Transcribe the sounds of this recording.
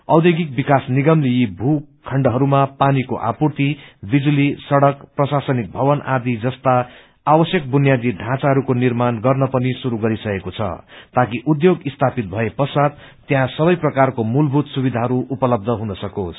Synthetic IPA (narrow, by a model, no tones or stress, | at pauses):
ʌwd̪jeɡik̚bikasniɡʌmlejibʱukʰʌɳɖʌɦʌɾumapaniko̰ʔa̰purt̪ibid͡zulisʌɽʌkprʌsasʌnik̚bʱʌbʌnʔad̪id͡zʌst̪aː | bʌsjʌk̚bunjad̪iɖʱãt͡saɦʌɾukonirmanɡʌrnʌpʌnisuɾuɡʌɾisʌkekot͡sʰʌ̰t̪akiʔud̪joɡist̪ʰapit̪̚bʱʌepʌsad̪̚ | t̪ːjãsʌbʌjprʌkarkomulbʱut̪subid̪ʱaɦʌɾuʔupʌlʌb̚d̪ʱʌɦũd̪ʌsʌkos